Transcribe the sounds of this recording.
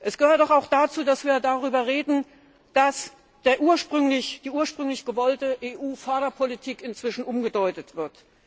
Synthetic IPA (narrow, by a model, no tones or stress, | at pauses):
ʔɛsɡ̥əhøːɐt̚d̥ɔχaʊxd̥at͡suːdasv̥iːɐjdaʁyːbɐʁeːdn̩ | d̥as | d̥eːɐʔuːɐʃpʁ̥ʏŋlɪçd̥iːʔuːɐʃpʁ̥ʏŋlɪçɡ̥əvɔltəʔeːʔuːfœɐɾɐpʰolitʰiːkɪnt͡sv̥ɪʃn̩ʔʊmɡədɔʏtətv̥ɪɐt